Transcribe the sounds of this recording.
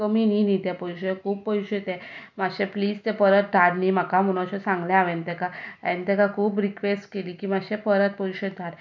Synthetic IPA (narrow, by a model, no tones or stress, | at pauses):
əmininit̪ɛpəjɕekʰuːbpəjɕet̪ɛ̃maɕẽpliːd͡zt̪ɛpəɾət̪̚d̪ʱaɾnimakam̤uɽ̃ãɕɔsãŋɡljãaʋɛ̃nt̪ɛkaɛnt̪ɛkakʰuːpɾikʋesʈkeliːkiːmaɕẽpəɾət̪̚pəjɕed̪ʱaɾ